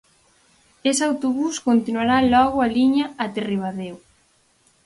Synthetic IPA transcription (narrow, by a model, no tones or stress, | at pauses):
esawt̪oβuskont̪inwaɾalɔɣʊaliɲɐat̪eriβ̞aðew